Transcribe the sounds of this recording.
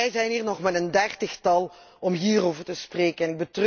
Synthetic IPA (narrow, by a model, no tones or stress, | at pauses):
ɛjzɛjniːrnɔχmɛtəndɛrtəxtɑlˠ | ɔmɦiːroːvərtəspreːkənɛnɪɡ̚bətrø